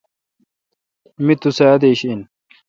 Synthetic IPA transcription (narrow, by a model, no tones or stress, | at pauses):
mɪt̪ːʊsad̪eʃn